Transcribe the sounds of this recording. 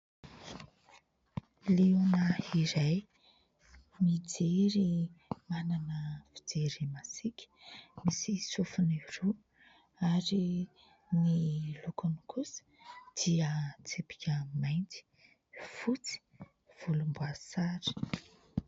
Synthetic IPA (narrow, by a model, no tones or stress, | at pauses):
liunəiɾaj | mid͡zeɾimananəvi̥d͡zeɾimasikʲə̥misisufuniru | aɾi | nilukunikʰusə̥d̪̥iət͡sepi̥kʲəmajnt͡si̥ | fut͡si̥ | v̥ulumbuasaɾi̥